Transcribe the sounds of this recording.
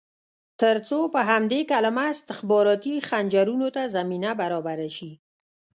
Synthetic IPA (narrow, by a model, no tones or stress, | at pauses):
t̪əɾt͡sopəɦamd̪ekalamaɪst̪ɪxbɑɾɑt̪ixand͡ʒaɾunot̪azaminabaɾɑbaɾaʃi